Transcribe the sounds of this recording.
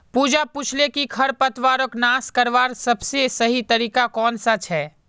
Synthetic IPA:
puːd͡ʒapuːt͡ʃʰlekikʰɐɾpət̪ʋaːɾəknaːskɐɾʋaːɾsɐbsesɐɦit̪ɐɾiːkakɔːnsat͡ʃʰɦɛː

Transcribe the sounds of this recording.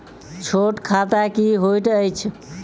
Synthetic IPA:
t͡ʃʰoʈkʰat̪akiɦojʈəjt͡ʃʰ

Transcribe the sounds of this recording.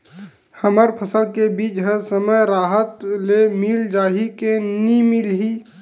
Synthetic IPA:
həməɾpʰəsəlkebiːt͡ʃɦəsəməjɾaːɦət̪lemɪld͡ʒaːɦikenimɪlɦiː

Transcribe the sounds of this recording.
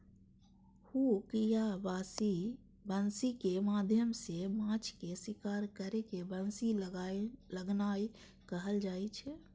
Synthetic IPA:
hukijabaːsi | bənsikemaːd̪ʱjəmsemãt͡ʃkesikaːɾkəɾekebənsi | ləɡnai | kəɦəld͡ʒaːit͡ʃʰɛ

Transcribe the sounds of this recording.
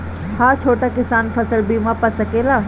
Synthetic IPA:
haːt͡ʃʰoːʈakɪsaːnfɐsəlbiːmãpɐsɐkeːlaː

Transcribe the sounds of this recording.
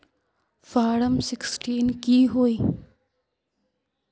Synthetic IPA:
faːɽəmsɪksʈʰiːnkiːɦoːiː

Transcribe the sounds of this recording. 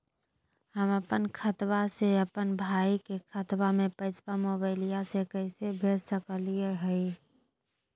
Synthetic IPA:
həməpənkʰət̪baseəpənbʱaːikekʰət̪bamẽpəɪt͡ʃpamobaɪlijasekəɪsebʱeːd͡ʒsəkəlieɦɛi

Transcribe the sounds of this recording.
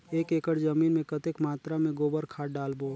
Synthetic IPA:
eːkeːkəɽzəmiːnmẽkət̪ekmaːt̪ɾamẽɡoːbəɾkʰaːʈɖaːlboː

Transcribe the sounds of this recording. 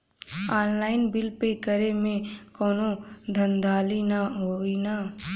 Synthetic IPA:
aːnlaːɪnbɪlpekəɾemẽkɔːnõd̪ʱənd̪ʱaːlinaɦoina

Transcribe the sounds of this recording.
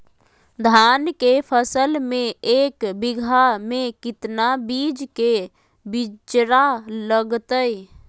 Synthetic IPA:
d̪ʱankepʰəsəlmẽeːkbiɡʱamẽkɪt̪nabid͡ʒke | bit͡ʃɾaləɡt̪əj

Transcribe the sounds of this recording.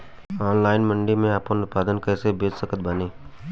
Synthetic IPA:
aːnlaːɪnmə̃ɳɖimẽaːpõnʊt̪̚paːd̪ənkɛːsebeːd͡ʒsəkət̪̚bəneː

